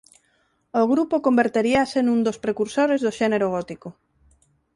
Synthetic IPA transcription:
oɣɾupokombeɾt̪eɾiasenũnd̪ospɾekuɾsoɾezðoʃeneɾoɣɔt̪iko

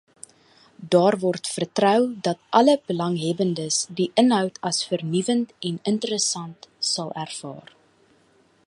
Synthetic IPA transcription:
dɑːrvɔrtfərtrœwdɐtʔɐləbəlɐŋɦɛbəndəsdiʔənɦœwtʰɐsfərnivəntɛnəntəɾəsɐntsɐlˠærfɑ̰ːr

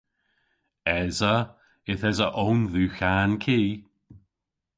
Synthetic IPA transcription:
ɛzə | ɪθɛzəʔownðuːçankʰiː

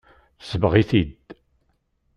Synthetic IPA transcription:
θsəməʁiθid̪

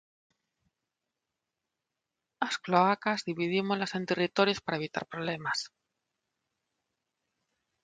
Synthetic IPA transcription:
askloakazðiβiðimozlase̞nt̪erit̪o̞ɾjo̞spaɾae̞β̞it̪a̰ɾpɾo̞βle̞mas

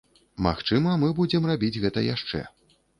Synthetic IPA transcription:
ma̰xt͡ʂɨmɐmɨbud͡zʲɛmrabʲid͡zʲɣɛt̪ɐja̰ʂt͡ʂɛ̰

